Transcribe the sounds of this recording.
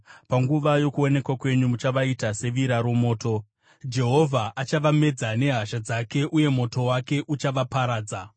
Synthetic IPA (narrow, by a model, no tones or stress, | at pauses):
paŋɡuʋajo̞kuo̞ne̞kwakwe̞ɲumut͡ʃaʋaitase̞ʋiɾaɾumo̞ːto̞ | d͡ʒe̞ɦo̞vʱaʔat͡ʃaʋame̞d͡zane̞ɦaʃad͡zake̞ʔuje̞mo̞to̞wake̞ʔut͡ʃaʋapaɾaːd͡za